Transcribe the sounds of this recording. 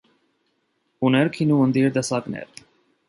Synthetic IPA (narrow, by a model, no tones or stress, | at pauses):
uneɾkʰinuːmənd̪iːɾd̪ɐsaːknḛɾ